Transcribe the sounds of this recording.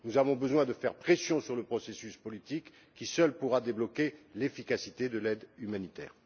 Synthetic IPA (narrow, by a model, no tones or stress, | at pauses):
nuzavɔ̃bəzwɛ̃d̪əfɛʁpχesjɔ̃syʁləpχɔsesyspɔlit̪ikː | isœlpuʁad̪eblɔkelefikasit̪ed̪əlɛd̪ymanit̪ɛ̰ːʁ